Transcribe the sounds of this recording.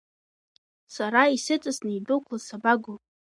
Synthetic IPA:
saɾaisɨt͡sʼɨsnaidokʷʰlasabaɡo

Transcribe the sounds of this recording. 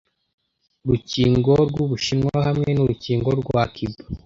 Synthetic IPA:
ɾuciːŋɡo̞ɾɡuβuʃinŋwahamŋe̞nuɾuciːŋɡoɾɡwakʰibo

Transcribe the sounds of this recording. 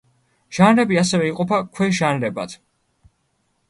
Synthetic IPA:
ʒ̥anɾɛbiasɛvɛiqʼɔpʰakʰwɛʒanɾɛba̰t̪ʰ

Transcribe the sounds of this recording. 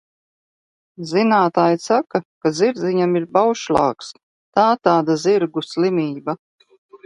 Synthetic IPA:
zinaːt̪aːjsakakaziɾd̪zʲiɲamiɾbawʃlˠɑ̰ːks | t̪aːt̪aːd̪aziɾɡuslˠimʲiːba

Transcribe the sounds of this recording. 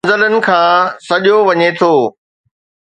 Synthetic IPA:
zələnɪ̆kʰãːsɐʄoʋɐɲet̪ʰoː

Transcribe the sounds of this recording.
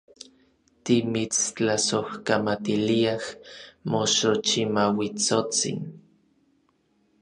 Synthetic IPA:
t̪imit͡st͡ɬasohkamat̪iliahmoʃot͡ʃimawit͡sot͡sḭn

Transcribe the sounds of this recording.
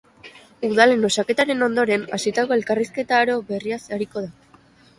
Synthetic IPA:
uð̞ale̞no̞sake̞t̪aɾe̞no̞nd̪o̞ɾe̞nasit̪ako̞e̞lkariske̞t̪aːɾo̞βe̞riasaɾiko̞ð̞a

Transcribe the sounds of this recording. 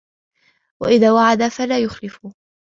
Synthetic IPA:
wa̰ʔɪðaːwaʕad̪afalaːjʊxlɪfʊ

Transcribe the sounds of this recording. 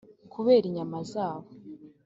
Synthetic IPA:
kʰuβeːɾiɲamazaːβo

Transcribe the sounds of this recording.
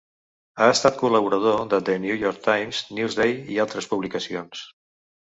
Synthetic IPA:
aəst̪at̪̚kuləβuɾəð̞oðəd̪ənjujoɾk̚t̪ajmznilzðejialˠt̪ɾəspuβlikəsions

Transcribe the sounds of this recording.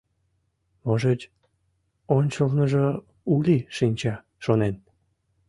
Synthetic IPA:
moʒet͡ɕʲ | onʲt͡ɕəlnəʒə | ulʲiʃinʲt͡ɕɑ | ʃonen

